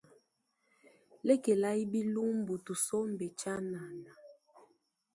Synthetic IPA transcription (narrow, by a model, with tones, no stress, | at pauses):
lɛ˦ke˨la˦i˦bi˦lu˦m˦bu˨tu˨so˦m˨bɛ˨t͡ʃa˦na˨na˨